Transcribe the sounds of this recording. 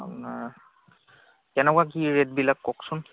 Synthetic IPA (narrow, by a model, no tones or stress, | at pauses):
na | ɛnɛkwak̬iɹet̚bilakːɔksʊn